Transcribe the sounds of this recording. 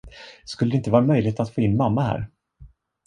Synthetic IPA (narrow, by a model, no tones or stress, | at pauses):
skɵləd̪ɛɪnt̪əvɑːɾamœjlɪhet̪at̪foːɪnːmamːahæ̰ːɾ